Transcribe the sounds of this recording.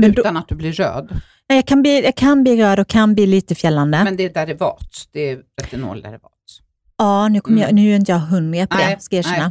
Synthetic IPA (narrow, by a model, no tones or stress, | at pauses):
mɛnʉːt̪anat̪̚d̪ɵblɪɾø̰ːd̪ | ɛjɑːkʰanbliːjɑːkʰanbliːɾøːd̪ɔkʰːanbliːliːt̪əfjɛlːand̪əmɛnd̪ɛɛd̪æɖɛvɑ̰ːt̪sd̪̥ɛɛt̪ʰɾɛt̪ːɪno̰ːld̪æ̰ɾɛvɑ̰ːt̪s | ɑːnʉ̟ːkʰɔmːəjɑ̰nʉ̟ːɛɾɪnt̪əjɑːɡɦɵnːɪɡap̪ʰd̪ɛskiːʂɛna